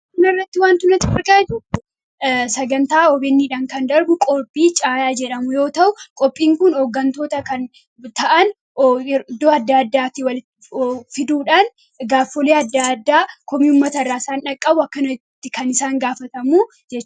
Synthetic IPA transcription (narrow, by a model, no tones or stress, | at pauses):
kʊnɐɪrːɐt̪ːɪwaːnt̪ʊnɐt̪ːɪfɐɾkʼad͡ʒʊʊ | sɐɡɐnt̪aːɔbeːnːiːᶑaːŋkɐnd̪ɐɾbʊkʼɔɾpʼːiːt͡ʃʼaːjaːd͡ʒɛᶑɐmʊjo̞ːt̪ɐʔʊkʼɔpʼːiːŋkʊnhɔːɡːɐnt̪o̞ːt̪ɐkɐn | t̪ɐʔɐn | ɾd̪oːɐd̪ːaːd̪ːaːtɪwɐlɪt̪ː | fɪd̪uːᶑaːn | ɡaːfːɔleːɐd̪ːad̪ːaːkɔmiʊmːɐt̪ɐrːaːɪsaːnᶑɐkʼːɐbʊɐkːɐnɐt̪ːɪkɐnɪsaːŋɡaːfɐt̪ɐmuː | d͡ʒɛt͡ʃː